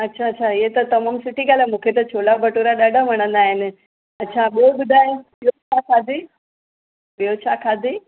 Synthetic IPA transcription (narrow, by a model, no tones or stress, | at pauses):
ətːɕʰaətːɕʰajet̪əɾt̪əmamsuʈiɡalamukʰet̪̬ət͡ɕʰolabʱəʈuɾaɗaɖam̤əɽ̃ə̃nd̪ajen | ətːɕʰaɓobud̪ʱajebjot͡ɕʰakʰad̪i | bjot͡ɕʰakʰad̪ʱi